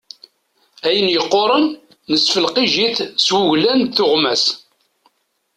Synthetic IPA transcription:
æjənjəqːoɾˤənː | əsfəlqiʒiθswʊʝlænθʊʁmæs

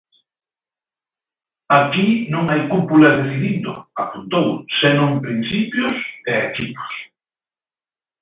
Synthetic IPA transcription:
akinõŋajkupulaðeθiðind̪ʊ̰apunt̪owsenõŋpɾin̟θipjʊsɛekipʊ̥s

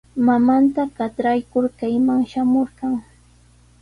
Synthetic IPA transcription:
mamant̪aɢɑt̪ɾajkʊɾkajmaŋʃamoɾɢɑŋ

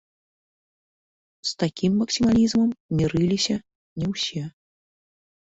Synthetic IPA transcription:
st̪akʲʰimːɐksʲimalʲizmɐmmʲiɾɨlʲisʲɐ | nʲɛwsʲɛ

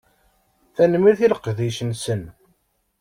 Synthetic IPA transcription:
θænmiɾθiləqːðiʃənsən

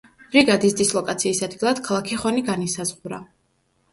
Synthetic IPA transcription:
b̥ɾiɡad̪isd̪islˠɔkʼat̪sʰiːsad̪̚ɡilˠad̪̥kʰalˠakʰiχɔniɡanisazʁuɾa̰

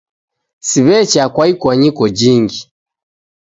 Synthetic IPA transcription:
siβɛt͡ʃakwaikwaɲikɔd͡ʒiŋɡi

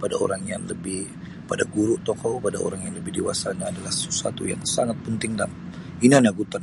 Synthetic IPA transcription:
pada̰o̰ɾaŋja̰ŋləbɪh | padaɡuɾʊʔt̪ɔkɔpadao̰ɾaŋjaŋləbɪhdewasanaːdalahsəsua̰t̪ṵja̰ŋsaŋat̪̚pənt̪ɪŋdam | inanaɡut̪an

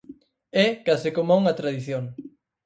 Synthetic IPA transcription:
ɛkasɪkomauŋɐt̪ɾaðiθjoŋ

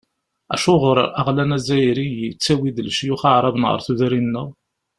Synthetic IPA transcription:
æ̰ʃʊʁʊɾˤæʁlænæzæjɾijit͡sːæwid̪əlʃjʊχəʕɾˤɑbənʁə̰ɾθuðɾinːəʁ

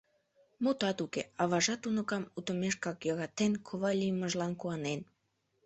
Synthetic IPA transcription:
mut̪ɑt̪ukḛɑβɑʒɑt̪unə̆kɑmut̪ə̆meʃkɑkjɑɣɑt̪enkʰoβɑlʲijməʒlɑnkuɑnen

